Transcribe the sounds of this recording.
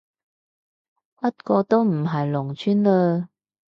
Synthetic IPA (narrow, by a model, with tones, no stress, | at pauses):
pɐ˥t̚kɔː˧t̪o˥wm̩˨˩ɦɐ˨jlʊ˨˩ŋt͡ʃʰyː˥nləː˧